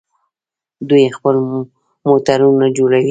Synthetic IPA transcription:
d̪ujexpəl | mot̪aɾunad͡ʒoɽawi

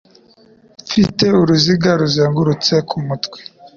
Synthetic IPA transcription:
fiteuɾuziɡaɾuzeːŋɡuɾut͡sekʰumutkwe̥

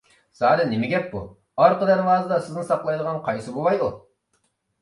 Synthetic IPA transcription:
sɑːd̪ɛnɪmɪɡʲɛpːu | ɑɾqəd̪ɛɾwɑːzɨd̪ɑsɪznɪsɑqlˠɑjd̪əʁɑnqʰɑjsɨbowɑju

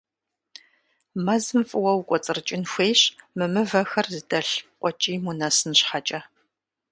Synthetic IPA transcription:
mɐzɨmfʼɨwɐwkʷʼɔt͡sʼɨrt͡ʃʼɪnxʷejɕmɨmɨvɐxɐrzɨdɐɬqʷʼɔt͡ʃʼiːmunɐsɨnɕħat͡ʃʼɐ

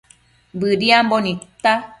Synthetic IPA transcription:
bɨɾiãmbonĩt̪a

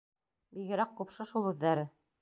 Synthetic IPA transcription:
biɣɘ̆ɾæqqupʃɤʃulˠɵ̆ðːæɾɘ

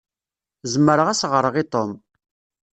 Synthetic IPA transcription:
zəmːəɾəʁæsʁəɾˤəʁit̪om

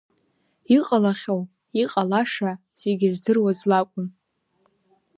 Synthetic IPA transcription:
iqʼalaχʲow | iqʼalaʂa | z̥e̞ɡʲɪzdɨrwazlakʷʼʊn

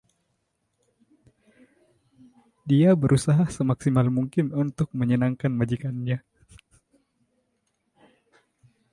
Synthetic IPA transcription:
diabəɾʔusaɦasəmaksimalmuŋkɪnunt̪ʊk̚məɲənaŋkanmad͡ʒikanɲa

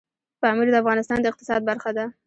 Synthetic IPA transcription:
pəamiɾd̪əafɣɑnɪst̪ɑnd̪əɪq̚t̪ɪ̥sɑd̪̚baɾxad̪a

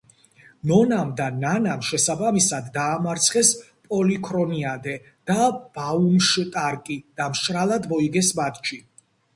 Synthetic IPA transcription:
nɔnamd̪ananamʃɛsabamisad̪ːaːmaɾt̪sʰχɛs | pʼɔlikʰɾɔniad̪ɛ | d̪̥ab̥aumʃt̪ʼaɾkʼid̪̥amʃɾalˠad̪mɔiɡɛsmat̪ʼt͡ʃʰi

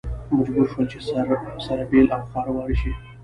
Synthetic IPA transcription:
mad͡ʒbuɾʃwəlt͡ʃesaɾabelawxɑɾawɑɾʃi

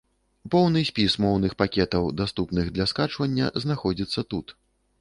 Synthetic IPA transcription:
pɔwnɨsʲpʲismɔwnɨxpakʲɛt̪ɐwd̪ast̪upnɨɣd̪lʲɐskat͡ʂvɐnʲːɐ̰znaxɔd͡zʲit̪sːɐt̪ut̪

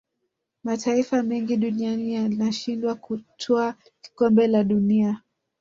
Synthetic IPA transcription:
matʰaifamɛŋɡiɗunianijalinaʃindwakutʰɔḁ | kɔmbɛlaɗunia

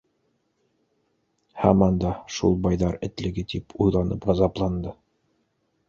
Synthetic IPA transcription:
hæ̰mɑnd̪ɑʃṵlˠbɑjðɑɾɘ̆t̪lɘ̆ɡɘt̪ipʰujlˠɑnɤ̰pʁɑzɑplˠɑnd̪ɤ

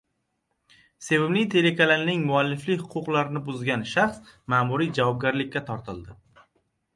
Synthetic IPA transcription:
se̞vɪmnɪjt̪ʰe̞lekʰalalnɪŋmʊalːɪflɪkʲhʊqʰʊqlˠaɾɪnɪbʊzɡʲanʃaχsmaːmʊɾijd͡ʒavɒb̚ɡʲaɾlɪkʲːat̪ʰɒɾt̪ɪlˠd̪ɪ

